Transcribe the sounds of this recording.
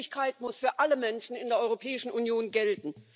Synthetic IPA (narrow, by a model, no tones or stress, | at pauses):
ɪçkʰaɪtmʊsfyːɐʔaləmɛnʃn̩ɪndeːɐɔʏʁopʰɛːɪʃn̩ʔunjoːnɡɛltn̩